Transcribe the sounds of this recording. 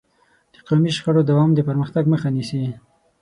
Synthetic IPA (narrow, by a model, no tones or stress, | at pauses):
d̪̥əqawmiʃxaɽod̪awɑmd̪əpəɾməxt̪aɡməxanisi